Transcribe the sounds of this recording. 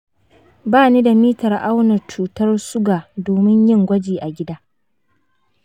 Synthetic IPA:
baː˦niː˦da˨miː˦tɐ˨rʔa˦wnɐ˨t͡ʃuː˨tɐ˦rsʊ˦ɡaː˨doː˨mɪ˦ɲjɪ˦ŋɡʷɐ˦d͡ʒiː˨ʔa˨ɡʲɪ˦daː˦

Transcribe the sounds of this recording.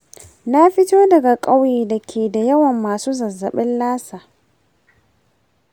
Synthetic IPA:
na˦ɸɪ˦toː˦dɐ˨ɡa˨kʼa˦wjeː˨da˨kʲʰeː˨da˨jɐ˦wɐ˨mːaː˨suː˦zɐ˨zɐ˨ɓɪ˦nlaː˦saː˨

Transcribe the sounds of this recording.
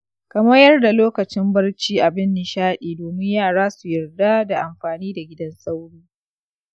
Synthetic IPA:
kɐ˨mɐ˦jɐ˦rda˨loː˦kɐ˨t͡ʃɪ˦mbɐ˦rt͡ʃiː˦ʔa˨bɪ˦nːɪ˨ʃaː˦ɗiː˨doː˨mɪ˦ɲjaː˦˨ɽaː˦su˨jɐ˨rda˦da˨ʔa˨mɸaː˨niː˦da˨ɡʲɪ˦dɐ˦nsʼa˦wɽiː˦

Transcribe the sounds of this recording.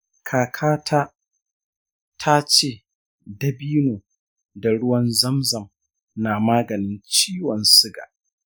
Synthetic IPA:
kʰaː˨kʰaː˦tʰaː˦ | tʰa˦t͡ʃeː˦˨ | dɐ˦biː˦noː˨ | da˨ɽʊ˦wɐ˦nzɐ˦mzɐ˨m | naː˨maː˦ɡɐ˨nɪ˦nt͡ʃiː˦wɐ˨nsɪ˦ɡa̰ː˨ʔ

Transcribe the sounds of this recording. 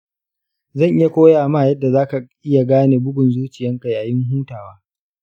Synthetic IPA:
zɐ˦˨ŋʔɪ˦ja˨kʷoː˦jaː˨maː˦˨jɐ˦dːa˨zaː˦ka˨ʔɪ˦ja˨ɡaː˦neː˨bʊ˦ɡʷʊ˨nzuː˦t͡ʃɪ˨jɐ˦ŋka˨ja˨jɪ˦ŋɦuː˦taː˨waː˦

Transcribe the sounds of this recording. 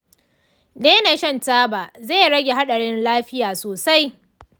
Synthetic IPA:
deː˦na˨ʃɐ˦ntaː˦baː˨zeː˦˨ɽɐ˦ɡʲe˨ɦa˦ɗɐ˨ɽɪ˦nlaː˦ɸɪ˦jaː˨soː˨sa˦j

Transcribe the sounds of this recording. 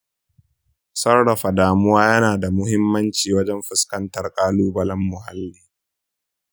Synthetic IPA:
sɐ˦rɽɐ˨ɸa˨daː˨mʊ˦waː˦jɐ˦naː˨da˨mʊ˦hɪ˦mːɐ˦nt͡ʃiː˨wɐ˦d͡ʒɛ˦mɸɪ˦skɐ˦ntɐ˨rkʼaː˦luː˦bɐ˦lɐ˦mːʊ˨ɦa˦lːiː˨

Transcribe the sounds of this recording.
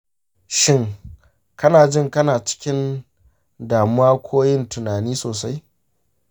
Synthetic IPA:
ʃɪ˦ŋ | kɐ˦naː˨d͡ʒɪ˦˨ŋkɐ˦naː˨t͡ʃɪ̥˦kʲɪ˦n | daː˨mʊ˦waː˦kʷʰoː˦jɪ˦ntʊ˨naː˨niː˦soː˨sa˦j

